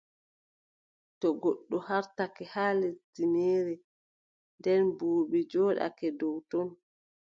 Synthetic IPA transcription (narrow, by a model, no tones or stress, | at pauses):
tɔɡoɗːɔhaɾtakɛhaːletːineːɾɛ | ndɛnbuːɓid͡ʒɔːɗa̰kɛdɔwtɔn